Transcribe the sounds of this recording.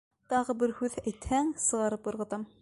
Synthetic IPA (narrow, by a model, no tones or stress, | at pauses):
t̪ɑʁɤbɘɾhʉðæjt̪hæŋsɤ̆ʁɑɾɤpjŏɾʁɤ̆t̪ɑm